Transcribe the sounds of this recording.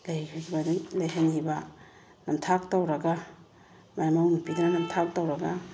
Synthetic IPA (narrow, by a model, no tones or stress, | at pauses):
lajkʰakʰibadulajɦaniba | nɐmtʰak̚tawɾɐɡa | majmawnupidananɐmtʰak̚tawɾɐɡa